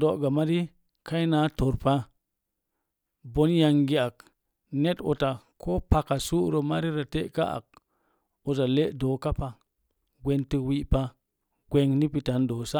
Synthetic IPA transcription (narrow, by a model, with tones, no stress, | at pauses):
do˨ɡa˨ma˦ɾi˦ | ka˦i˦na˨˦to˨ɾpa˦ | bo˦nja˧ŋɡi˦a˨k̚ | ne˦to˨ta˨kʰo˦pa˨ka˨su˦ɾo˨ma˦ɾi˦ɾa˨te˦ʔka˦ʔa̰˨k̚ | o˨ta˨le˦ʔdo˨ka˦pa˨ | ɡʷe˨nti˧wi˦ʔpa˦ | ɡʷe˨ŋni˦pi˨ta˨ndo˨sa˦